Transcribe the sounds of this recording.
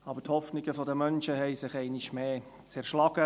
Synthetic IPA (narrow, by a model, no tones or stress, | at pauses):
ɑːbəthɔfnɪɡəfɔdəmœnʃəɦɛɪsɪχɛɪnɪʃmeː | t͡sɛɾʃlɑɡ̥ə